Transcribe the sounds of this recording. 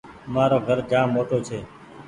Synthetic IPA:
maːɾoːɡʱəɾd͡ʒãːmoːʈoːt͡ʃʰeː

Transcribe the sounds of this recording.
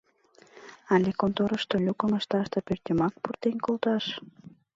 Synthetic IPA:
ɑlʲekont̪oɾəʃt̪olʲukəməʃt̪ɑʃt̪ɤpørt̪ymɑk̚purt̪enʲkolt̪ɑʃ

